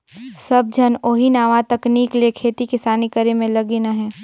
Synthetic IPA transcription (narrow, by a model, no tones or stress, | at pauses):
sɐb̚d͡ʒʱɐnoːɦinaːʋat̪ɐkniːkliekʰeːt̪ikɪsaːnikəɾemẽlɐɡinaɦɛ̃ː